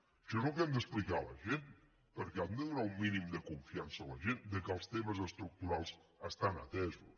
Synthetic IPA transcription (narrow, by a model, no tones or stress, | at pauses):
ʃəzukɛmd̪əsplikaləʒen | pəɾkɛamd̪əðunaumminimd̪əkuɱfiansəːləʒend̪əkəlˠst̪eməzəst̪ɾuk̚t̪uɾalˠzəst̪anət̪ɛzṵs